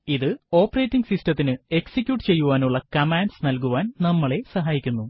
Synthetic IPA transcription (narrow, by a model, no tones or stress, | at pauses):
iðɨo̞ːpːɐre̞ːtːiŋɡsistɐt̪ːinɨe̞ksikʲjuːʈːɨt͡ɕe̞jːuʋaːnuɭːɐkɐmaːnɖsnɐlkuʋaːnnɐmːɐɭe̞sɐɦaːjikʲːunːu